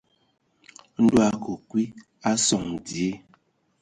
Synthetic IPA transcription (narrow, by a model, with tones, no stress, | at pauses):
n̩˦dwa˦˨ko˨kwi˦ | a˦sɔ˨ŋdi˨e˦